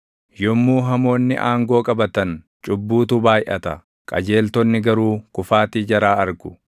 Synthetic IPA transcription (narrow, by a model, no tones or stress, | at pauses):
jɔmːuːɦɐmo̞ːnːɪʔaːŋɡo̞ːkʼɐbɐt̪ɐn | t͡ʃʼʊbːuːt̪ʊbaːjʔɐt̪ɐ | kʼɐ̰d͡ʒe̞ːlt̪ɔnːɪɡɐɾuːkʊfaːt̪id͡ʒɐɾaːɐɾɡʊ̥